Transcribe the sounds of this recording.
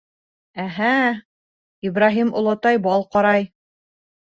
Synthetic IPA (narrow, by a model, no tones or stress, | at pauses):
æɦæ | ibraɦimŏlˠɑt̪ɑjbɑlˠqɑɾɑj